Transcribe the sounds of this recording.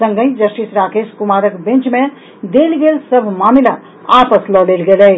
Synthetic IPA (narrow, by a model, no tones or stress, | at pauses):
sə̃ŋɡə̃ĩd͡ʒəsʈisɾaːkeskumaɾəkbẽnt͡ʃmẽ | d̪elɡelsəbʱmamila | apəslɔlelɡeləɦ